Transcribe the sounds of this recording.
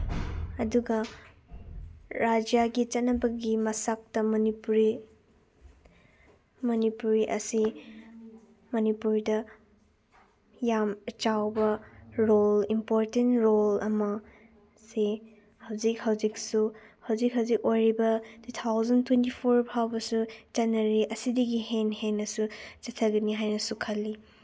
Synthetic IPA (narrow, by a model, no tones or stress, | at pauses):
ɐduɡɐ | ɾad͡ʒjaɡit͡ʃɐtnɐbɐɡimɐsak̚tɐmɐnipuɾi | mɐnipuɾiʔɐ̰si | mɐnipuɾidɐ | jamt͡ʃawbɐɾolimpoɾtentɾolɐ̰mɐ | se | hɐwzikhɐwziksuhɐwzik̚ɦɐwzikojɾibɐtut̪ʰawzɐntʰwentipʰoɾpʰawbɐsud͡ʒanɐɾiʔɐsidɐɡihenhenːɐsut͡ʃɐtʰɐɡɐniɦajnɐsukʰɐlːi